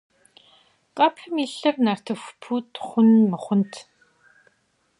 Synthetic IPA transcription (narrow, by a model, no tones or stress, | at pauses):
qʼɐpʰɨmiɬɐrnar̥tʰɐxʷpʰuːtχʷʊnmɐχʷʊntʰ